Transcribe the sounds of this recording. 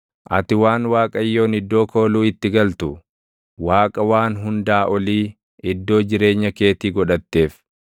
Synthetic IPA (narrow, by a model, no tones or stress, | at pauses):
ʔɐ̰t̪ɪwaːnwaːkʼɐjːo̞ːnɪd̪ːo̞ːko̞ːluːɪt̪ːɪɡɐlt̪ʊ | waːkʼɐwaːnɦʊnd̪aːʔɔliː | ɪd̪ːo̞ːd͡ʒɪɾe̞ːɲːɐke̞ːt̪iːɡɔᶑɐt̪ːe̞ːf